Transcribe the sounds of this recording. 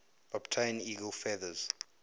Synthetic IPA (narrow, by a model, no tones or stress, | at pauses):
ɔbtʰajniɡəlfɛðəz̥